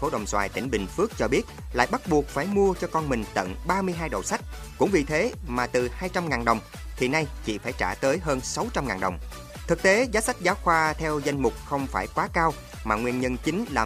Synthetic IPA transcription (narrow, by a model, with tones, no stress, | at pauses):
fo˨˦ɗə̰˨˩wŋ͡mswa̰ː˧˨˩jt̪ï˧˩ŋ̟ɓï˨˩ŋ̟fɨ˦˥ək̚t͡ɕɔ˧ɓi˦˥ət̚la̰ː˧˨jɓa˦˥t̚ɓu˨˩ək̚faː˧˩jmu˧ət͡ɕɔ˧kɔ˧nmï˨˩ŋ̟t̪ə̰˧˨nɓaː˧mɨ˧əjɦaː˧jɗə̰˨˩wsa˦˥jk̟̚kʊ̰˧˥ŋ͡mvi˨˩t̪ʰe˨˦maː˨˩t̪ɨ˨˩haː˧jt͡ɕa˧mŋaː˨˩nɗə˨˩wŋ͡m | t̪ʰi˨˩na˧jt͡ɕḭ˧˨faː˧˩jt͡ɕaː˧˩t̪əː˨˦jɦəː˧nsa˨˦wt͡ɕa˧mŋaː˨˩nɗə˨˩wŋ͡m | t̪ʰɨ˨˩k̚t̪e˨˦zaː˨˦sa˦˥k̟̚zaː˨˦wxwaː˧t̪ʰɛ˧wza˧jŋ̟mʊ˨˩k͡p̚xə˧wŋ͡mfaː˧˩jkwaː˨˦kaː˧w | maː˨˩ŋwi˧ənɲə˧nt͡ɕï˨˦ŋ̟laː˨˩